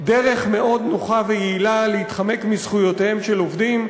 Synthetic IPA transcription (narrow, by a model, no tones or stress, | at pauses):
de̞ʁe̞χme̞ʔo̞dnoχavejeilaleitχame̞kmizχujo̞tehe̞mʃe̞lovdim